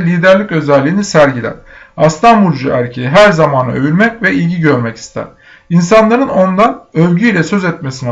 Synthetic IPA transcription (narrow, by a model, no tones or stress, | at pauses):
lʲiːd̪æɾlʲicø̞zɛlʲːiːnisæɾɟilʲæ̰ɾ̥ | ast̪ʰambulʲˠd͡ʒuʔæɾcʰejiɦæɾzamaːna̰ø̞vylʲmɛcvɛilʲɟiɟø̞ɾmɛcʰi̥st̪ʰæ̰ɾ̥ | insanlˠaɾɯno̞nd̪anøvʲɟyjlʲɛsø̞zɛt̪mesin